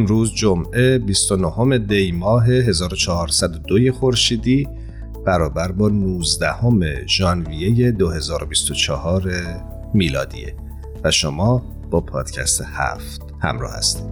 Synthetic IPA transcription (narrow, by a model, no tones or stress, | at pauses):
emɾuːzd͡ʒomʔe̞bist̪onoho̞me̞d̪e̞jmɒːɦe̞ɦe̞zɒːɾo̞t͡ʃʰɒhɒːɾsæd̪od̪oje̞xo̞ɾʃiːd̪iː | b̥æɾɒːbæɾbɒːnuːzd̪æho̞me̞ʒ̥ɒːnvije̞je̞d̪ohe̞zɒːɾo̞bist̪ot͡ʃʰɒhɒːɾe | miːlɒ̰ːd̪ḭːḛ | væʃomɒː | b̥ɒːpʰɒːd̪̥cʰæ̰st̪ehæ̰ft̪ | hæ̰mɾɒ̰ːhæ̰st̪i̥